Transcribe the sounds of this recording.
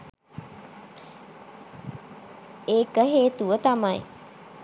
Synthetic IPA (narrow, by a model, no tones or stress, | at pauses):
eːkəɦeːt̪uʋət̪amaj